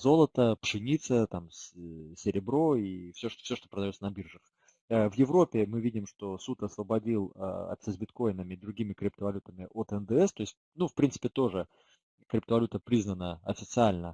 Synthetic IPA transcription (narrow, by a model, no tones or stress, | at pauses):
zo̞lˠət̪əpʂɨnʲit̪sət̪amssʲɪɾʲɪbɾo̞ifsʲoʂfsʲo̞ʂt̪opɾəd̪ɐjot̪sənɐbʲirʐɨx | əvjɪvɾo̞pʲɪmɨvʲidʲɪmʂt̪o̞sut̪ɐsvəbɐdʲilˠə̰ɐ̰t̪ʲsʲəzʲbʲɪt̪ko̞jɪnəmʲɪd̪ɾʊɡʲimʲɪkɾʲɪp̚t̪əvɐlʲut̪əmʲɪʔot̪ɛnd̪əɛst̪o̞ɪsʲt̚ʲ | nufpɾʲint̪ɨ̥pʲɪt̪o̞ʐɨ | kɾʲɪp̚t̪əvɐlʲut̪əpɾʲiznənəɐfʲɪt̪sɨalʲnə